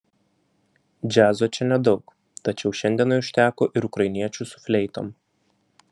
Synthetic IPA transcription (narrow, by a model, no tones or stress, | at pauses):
d͡ʒʲæːzoːt͡ʃʲɛnʲɛd̪ɒʊk | t̪ɐt͡ʃʲɛʊʃʲɛnʲd̪ʲiɛnɐɪʊʃʲt̪ʲæːkoːʔɪɾʊkɾɐɪnʲiɛt͡ʃʲuˑsʊ̥fʲlʲɛɪt̪o̰ːm